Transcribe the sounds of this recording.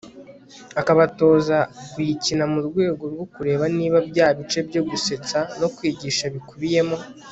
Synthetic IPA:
akaβato̞ːzakwicinamuɾɡwe̞ːɡo̞ɾɡo̞kuɾe̞ːβaniːβabɟaːβit͡ʃe̞bɟo̞ɡuse̞t͡sano̞kwiːɟiːʃaβikuβije̞mo̞

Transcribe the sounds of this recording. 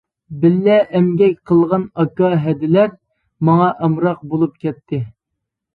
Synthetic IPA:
bɪlːɛʔɛmɡʲɛkʲqʰəlˠʁɑnɑkːɑɦɛd̪ɪlæɾ | mɑŋɑʔɑmɾɑq̚bolˠup̚kʲɛt̪ʰːɪ

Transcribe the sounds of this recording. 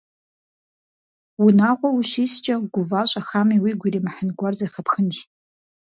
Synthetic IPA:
unaʁʷʼawuʃist͡ʃʼaɡʷʊvaɕʷʼaxamiwiɡʷiɾimaħənɡʷarzajχapʰxənʃtʼ

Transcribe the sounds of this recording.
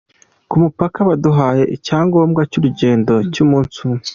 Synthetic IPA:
kumupakaβaduɦaːje̞ʔicaːŋɡoːmɡacuːɾuɟe̞ːndo̞cumuːnsue

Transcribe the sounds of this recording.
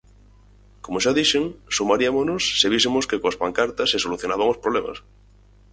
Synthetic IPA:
komoʃaðiʃeŋsumaɾiamonosːeβisemoskekoaspaŋkaɾt̪asːesoluθjonaβ̞aŋospɾoβlema̰s

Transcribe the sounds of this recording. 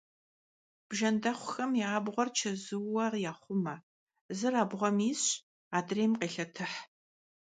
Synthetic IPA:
b̥ʒɐndɐχʷʊxɐmjaːbʁʷɔrt͡ʃʰɐzɨwːɐrjaːχʷʊmɐ | zɨraːbʁʷɔmiːɕ | aːdreːmqeːɬɐtʰɨħ

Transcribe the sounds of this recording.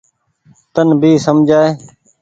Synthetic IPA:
t̪ənbʱiːsəmd͡ʒʱaːeː

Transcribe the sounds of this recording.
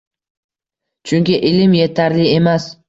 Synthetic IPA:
t͡ʃʰʊŋkʲɪʔɪlɪmje̞t̪ʰaɾlɪe̞mas

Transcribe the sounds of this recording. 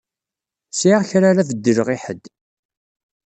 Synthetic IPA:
siçɾaɾævəd̪ːəɾəʁiħəd̪

